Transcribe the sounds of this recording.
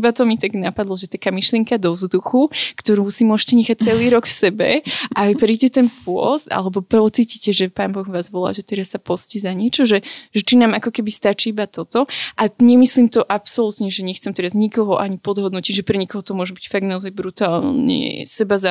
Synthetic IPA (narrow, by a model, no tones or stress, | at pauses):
ibat̪ɔmit̪aɡnapad̪lˠɔʒɛt̪akaːmiʃlɪɛŋkad̪ɔvzd̪uxukt̪ɔɾuːsimʊɔʒɛcɛɲɛxac̚t͡sɛliːɾɔkfsɛbɛ̰ʔapɾiːɟɛt̪ɛnpʊɔ̰sd̪a̰lɛbɔpɔt͡siːcicɛʒɛpaːnbɔɣʋaːzʋɔla̰ːʒɛt̪ɛɾasːapɔscɛzaɲɪɛt͡ʃɔʒɛʒɛt͡ʃinaːmakɔkɛbist̪at͡ʃiːibat̪ɔt̪ɔʔaɲɛmisliːmt̪ɔʔapsɔlut̪ɲɛʒɛɲɛxt͡sɛmt̪ɛɾazɲikɔɦɔʔaɲipɔd̪ɦɔd̪nɔciɟʒɛpɾɛɲɛkɔɦɔt̪ɔmʊɔʒɛbicfaɡ̪̚naɔzajbɾut̪aːlɲɛ̰sɛbaza